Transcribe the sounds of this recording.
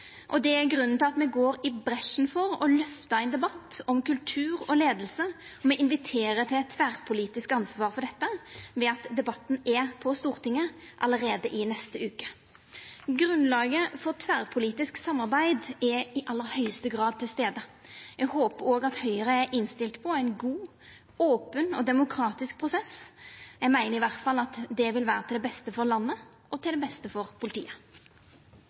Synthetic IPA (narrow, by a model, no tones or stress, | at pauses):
ʔɔd̪ɛæɾɡɾʉnːənt̪ʰɪlɑt̪mɛɡoːɾɪbɾɛʂnfɔɾɔ̰lœft̪əæɪnd̪ɛbɑt̪ːɔmkʉlt̪ʰʉːɾɔleːd̪əlsəɔmɛʔɪnʋɪt̪ʰeːɾət̪ʰɪlɛt̪ʰːʋæʁpʰʊliːt̪ɪskɑnsʋɑːɾfɔɾɖ̪ɛt̪ːəʋɛɑt̪d̪ɛbɑt̪ːn̩ɛpʰɔst̪uːɾt̪ɪŋːəʔɑləɾeːd̪əʔɪnɛst̪əʉːkə̥ | ɡɾʉnlɑːɡəfɔt̪ʰʋæːʁpʰʊliːt̪ɪsksɑmːɑʁbæɪd̪ɛɪʔɑlːəʁhœʏəst̪əɡʁɑːd̪̚t̪ʰːɪlst̪eːd̪əjæɡhoːpəɾoːɡɑt̪hœʏəʁəæʔɪnst̪ɪlt̪pʰɔæɪnɡuː | oːpənɔd̪ɛmʊkʰɾɑːt̪ɪsk̚pʰʁʊsɛsjæɡmæɪnəʁɪʋæʁt̪fɑlɑt̪d̪ɛʋɪlʋæːɾət̪ɪlɛbɛst̪əfɔʁlɑnːə | ɔt̪ʰɪld̪ɛbɛst̪əfɔʁpʰʊlɪt̪ʰḭːə